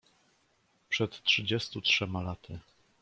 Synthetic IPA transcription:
pʂɛt̪tʂɘd͡ʑɛst̪utʂɛmalat̪ʰɘ

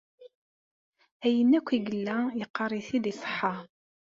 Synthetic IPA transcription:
æjənːækʷːiɡəlːæjəqːɑrˤiθiðisˤə̥ħːɑ

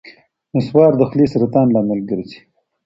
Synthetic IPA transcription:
noswɑːɾd̪əxlisɾat̪ɑːnlaːməlɡəɾisi̥

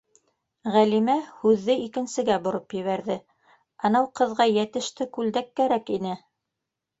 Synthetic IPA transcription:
ʁælimæhʉðːɘikɘ̆nsɘ̆ɡæbŏɾɤpjɘ̆βæɾðɘ | ɑnɑwqɤ̆ðʁɑjæt̪ɘ̆ʃt̪ɘkʉld̪ækːæɾækinɘ

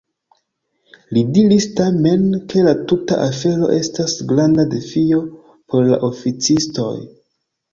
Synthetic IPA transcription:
lidiɾistame̞nke̞latuta̰ʔafe̞ɾo̞̰ʔe̞stasɡɾandade̞fio̞ | pʰo̞ɾla̰ʔo̞fit͡sisto̞̰j

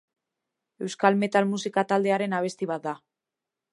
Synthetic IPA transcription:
e̞wskalme̞t̪almusikat̪ald̪e̞aɾe̞naβ̞e̞st̪iβ̞at̪̚d̪a

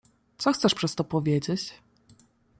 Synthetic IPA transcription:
t̪sɔxt̪sɛʂpʂɛst̪ɔpɔvʲjed͡ʑet͡ɕ

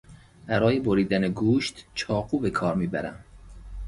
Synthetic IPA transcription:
bæɾɒːje̞boɾiːd̪æneɡuːʃt̪t͡ʃʰɒːquːbe̞kʰɒːɾmiːbæɾæ̰m

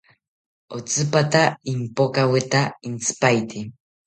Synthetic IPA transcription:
ot͡sɨpat̪aimpokawɪt̪aint͡sɨ̥pajt̪i

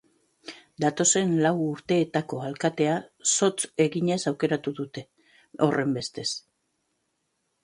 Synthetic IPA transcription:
d̪at̪o̞se̞nlawuɾt̪e̞ːt̪ako̞alkat̪e̞aso̞t͡se̞ɣiɲe̞sawke̞ɾat̪uðut̪e̞ | o̞re̞mbe̞st̪e̞s

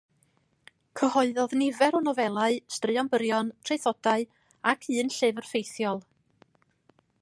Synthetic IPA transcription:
kʰəhɔɨðɔðnɪvɛɾɔnɔvɛlˠaɨstrɨɔnbəɾjɔntʰrejθɔdaɨ | akʰɨːnɬɨvərfejθjɔlˠ

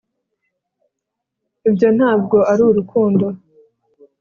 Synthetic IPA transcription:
ibjo̞n̥haːb̚ɡo̞aɾuːɾukʰuːndo̞

